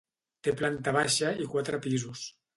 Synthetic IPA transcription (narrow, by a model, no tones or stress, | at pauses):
t̪eplant̪aβ̞aʃaikwat̪ɾəpizus